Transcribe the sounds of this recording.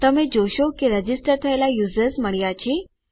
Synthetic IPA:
t̪əmed͡ʑoɕokiɾəd͡ʑisʈəɾt̪ʰəjlajuzəɾsməɭ̤ijat͡ɕi

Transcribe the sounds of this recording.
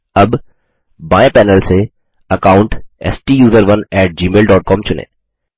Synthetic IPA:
ɐbː | aːẽpɛːnəlse | ɐkaːʊ̃ɳʈɛ̰ːsʈiːjuːzəɾʋənɛːʈ̚d͡ʒiːmeːlɖɔːʈ̚kɔːmt͡ʃʊnḛ̃ː

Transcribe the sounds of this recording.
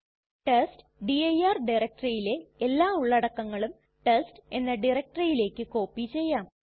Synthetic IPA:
ʈest | ɖiɐjaːrɖirɐk̚ʈrijile̞elːaːuɭːɐɽɐkːɐŋːɐɭum | ʈeste̞nːɐɖirɐk̚ʈrɐjile̞ːkːɨko̞ːpːit͡ɕe̞jːaːm

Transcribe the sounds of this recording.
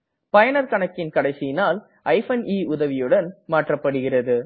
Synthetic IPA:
pɐjɐnɐɾkɐɳɐkːɪnkɐɽɐɪsɪjɪnaːl | ʔɐɪfɐniːʊðɐʋɪjɯɽɐnmaːʈrɐpːɐɽɯɣɪrɐðɯ

